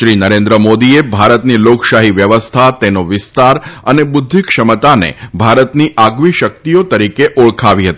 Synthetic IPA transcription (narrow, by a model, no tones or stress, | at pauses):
ʃɾinəɾẽnd̪ɾəmod̪iebʱaɾət̪nilokʃaɦiʋjəʋəst̪ʰat̪enoʋɪst̪aɾənebʊd̪ʱːikʃəmət̪anḛbʱaɾət̪niʔaɡʋiʃək̚t̪ijot̪əɾikeʔoɭkʰaʋiɦət̪i